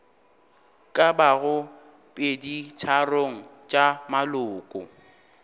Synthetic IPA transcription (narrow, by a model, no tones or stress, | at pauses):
kʼabaɣʊ | pʼedit͡ʃʰaroŋ̩t͡ʃʼamalʊːkʼʊ̰